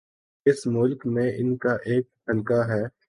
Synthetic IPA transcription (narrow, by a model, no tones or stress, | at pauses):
ɪsmʊlkmẽɪnkaʔeːk̚t̪ʰɐnkaɦɛː